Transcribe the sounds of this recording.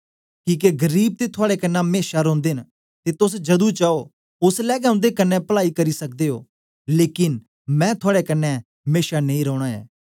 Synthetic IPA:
kĩːk̬eɡəɾiːb̚t̪eːt̪ʰʊaːɽekənːãmeːʃaɾɔ̃ːnd̪eːn | t̪eːt̪ʊs̬d͡ʒɐd̪ũt͡ʃaːoː | ʊslɛːɡɛːʊ̃nd̪ekənːɛ̃pəlaːikəɾiːsək̚d̪eːɦo̰ː | leːkɪn | mɛ̃ːt̪ʰʊaːɽekənːɛ̃ | meːʃanẽĩːɾɔːɽ̃aːɛ̰ː

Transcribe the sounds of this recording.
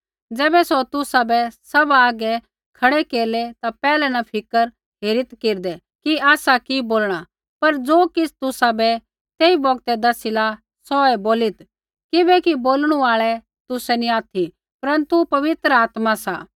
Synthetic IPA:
d͡zɛːbɛsot̪ʊsabɛsɐbaːɡɛ | kʰɐɽɛkeːɾlɛt̪apɛːlɛnɐpʰɪkəɾ | ɦeːɾɪt̪keːɾd̪ɛ | kiaːsakiboːlɽ̃a | pɐɾd͡zoːkɪsʰt̪ʊsabɛ | t̪eːibɔɡt̪ɛd̪ɐsila | sɔɛboːlɪt̪ | kɪbɛkiboːlɽ̃ũaːɭɛ | t̪ʊsɛniaːt̪ʰi | pɐɾə̃nt̪upɐʋɪt̪ɾəaːt̪masa

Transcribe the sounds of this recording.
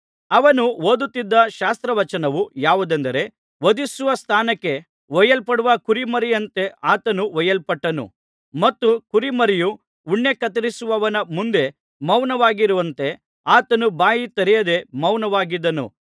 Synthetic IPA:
ɐʋɐnuoːd̪ut̪ːid̪ːɐʃaːst̪ɾɐʋɐt͡ʃɐnɐʋujaːʋud̪eɐnd̪ɐɾe̞ | ʋɐd̪isuʋɐst̪ʰaːnɐkːe̞ | ʋɔjɐlpɐɽuʋɐkuɾimɐɾijɐnt̪e̞aːt̪ɐnuʋɔjɐlpɐʈːɐnṵ | mɐt̪ːukuɾimɐɾijuː | ɳːe̞kɐt̪ɐɾisuʋɐʋɐnɐmund̪e̞ | mɐwnɐʋaːɡiɾuʋɐnt̪e̞ | aːt̪ɐnubaːjit̪ɐɾɛjɐd̪e̞mɐwnɐʋaːɡid̪ːɐnṵ

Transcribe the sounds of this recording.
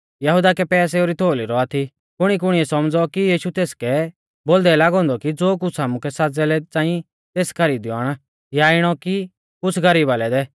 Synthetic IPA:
jɐɦud̪akɛpɛːs̬ɛoːɾit̪ʰoːliɾɔat̪ʰi | kʊɽ̃ik̬ʊɽ̃iɛsɐmd͡zɔkijiːʃut̪eːskɛ | boːld̪ɛlaːɡɔ̃ːnd̪ɔkid͡zoːk̬ʊt͡sʰaːmũkɛsad͡zɛlɛt͡sãːĩ | t̪eːskʰɐɾiːd̪jɔaːɽ̃a | jaɪɽ̃ɔki | kʊt͡sʰɡɐɾiːbalɛd̪ɛ

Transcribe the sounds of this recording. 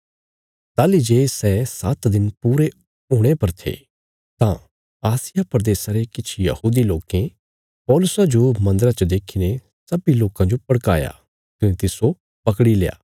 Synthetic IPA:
t̪aːlid͡ʒeːsɛsaːt̪d̪ɪnpuːɾe | uːɽ̃epɐɾt̪ʰḛː | t̪ã | aːsɪjapɾɐd̪eːsaɾekɪt͡ʃʰijɐ̰huːd̪iloːkẽ | pɔːlʊsad͡ʒomɐ̃nd̪əɾat͡ʃəd̪eːkʰiːne | sɐbiloːkãd͡ʒopɐɽkaːja̰ | kɐnẽt̪ɪso | pɐkɽileja̰ː

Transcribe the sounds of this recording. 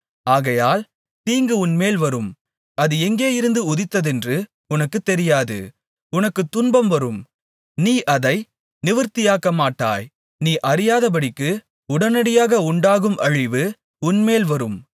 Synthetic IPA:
aːɣɐjaːl | t̪iːŋɡɯʊnmeːlʋɐɾɯm | ɐðɯɛŋɡeːjɪɾɯnd̪ɯʊðɪt̪ːɐðɛndrɯ | ʊnɐkːɯt̪ːɛɾɪjaːðɯ̰ | ʊnɐkːɯt̪ːʊnbɐmʋɐɾɯm | niːʔɐðɐɪ | nɪʋɐɾt̪ɪjaːkːɐmaːʈːa̰ːj | niːʔɐɾɪjaːðɐp̬ɐɽɪkːɯ | ʊɽɐnɐɽɪjaːɣɐʊɳɖaːɣɯmʔɐɻɪʋɯ | ʊnmeːlʋɐɾɯm

